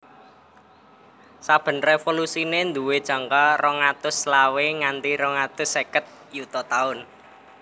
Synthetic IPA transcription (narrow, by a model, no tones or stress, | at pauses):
sab̥ə̤nrefolusinend̪uwed̥ʒ̥ä̤ŋkarɔŋat̪ʊslaweŋant̪iɾɔŋat̪ʊsekət̪̚ | jut̪ɔt̪aʊn